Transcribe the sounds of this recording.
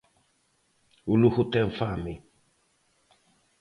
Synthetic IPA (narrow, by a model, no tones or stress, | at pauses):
uluhutɛɱ̩fami